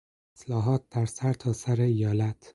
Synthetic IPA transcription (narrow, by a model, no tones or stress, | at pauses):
eslɒːɦɒːt̪̚d̪̥æɾsæɾt̪ʰɒːsæɾeijɒːlæt̪ʰ